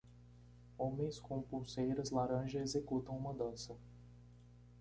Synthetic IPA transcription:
õmẽj̃skõpuwsejɾɐzlaɾɐ̃ʒɐezekut̪ɐ̃w̃ũmɐd̪ɐ̃sɐ

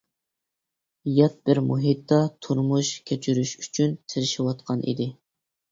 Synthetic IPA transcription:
jɑt̪̚bɪɾmuɦit̪ːɑt̪ʰuɾmuʃkʲʰet͡ʃʰyɾyʃyt͡ʃʰynt̪ʰɪɾɪʃɪwɑt̪qʰɑnʔḭd̪ɪ

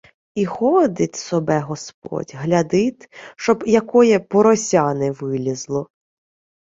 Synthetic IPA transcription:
ixɔd̪ɪtʲsɔbɛɦɔsp̚ɔ̰tʲɦlʲɐd̪ɪt̪ʃt͡ʃɔbjɐkɔjɛpɔɾɔsʲɑnɪʋɪlʲizlˠɔ

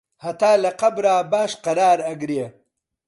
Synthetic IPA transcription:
hɐt̪aːlɐqabɾaːbaːʂqɐɾaːɾɐɡɾje

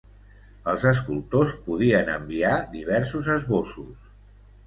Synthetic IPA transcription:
əlˠzəs̬kulˠt̪ospuð̞iənə̰mbiad̪iβ̞ɛɾsuzəzβosus

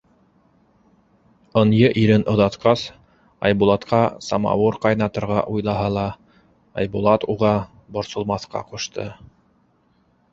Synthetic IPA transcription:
ŏnjɤʔiɾɘnʔŏðɑt̪qɑs | ɑ̰jbulˠɑt̪qɑsɑ̰mɑ̰wɤɾqɑjnɑt̪ɤ̆ɾʁɑ̰ʔujlˠɑɦɑlˠɑ | ɑ̰jbulˠɑt̪uʁɑ | bŏɾsŏlˠmɑθqɑ̰qŭʃt̪ʰɤ̰

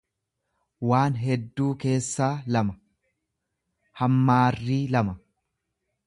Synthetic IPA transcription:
waːnɦɛd̪ːuːke̞ːsːaːlɐmɐ | hɐmːaːrːiːlɐmɐ

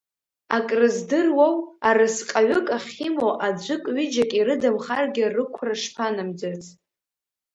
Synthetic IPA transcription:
akʼrɨzdɨrwawaɾɨsqʼaɥʊkʼaχʲimoʔad͡ʒʷɨkʼɥɪd͡ʒakʼiɾɨdamχarɡʲɪrɨkʷʰraʂpʰanɨmd͡zat͡sʼ

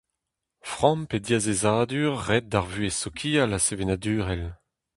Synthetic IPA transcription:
fʁɑ̃mped̪jazezaːd̪yːʁːɛt̪̚d̪aʁvyesɔkʰiːalasevenad̪yːʁɛl

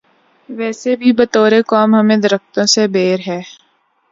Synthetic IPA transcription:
ʋɛːsebʱibɐt̪oːɾekɔːmɦɐmẽd̪ɐɾəft̪õsebeːɾɦɛː

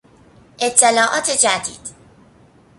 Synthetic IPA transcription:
ʔet̪ʰːelɒːʔɒ̰ːt̪ʰed͡ʒæd̪ḭːd̪̥

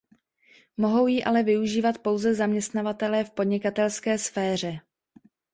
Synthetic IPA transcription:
mo̞ɦo̞wjiʔa̰lɛvɪuʒiːvat̪po̞wzɛzamɲɛst̪navat̪ɛlɛːfpo̞dɲɪkat̪ɛlskɛːsfɛːr̝ɛ

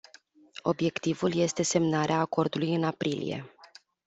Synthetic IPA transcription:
o̞bje̞kt̪ivulje̞st̪e̞se̞mnaɾeaːko̞rd̪ulujɨnapɾilḭje̞̰

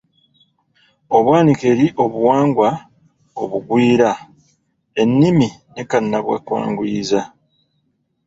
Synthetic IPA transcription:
o̞βwaːnike̞ɾiʔo̞βuwaːŋɡwa | o̞̰βuɡwiːɾa | e̞nːiminekanːaβwa̰kwa̰ːŋɡuiza

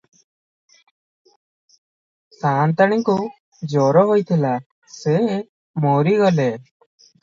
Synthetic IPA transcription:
sant̪aɽiŋku | d͡ʒɔɾɔɦojt̪ʰila | se | mɔɾiɡɔle

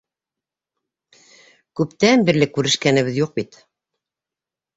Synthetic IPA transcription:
kʉpt̪ænbɘ̆ɾlɘkːʉɾɘ̆ʃkænɘ̆βɘðjuq̚bit̪

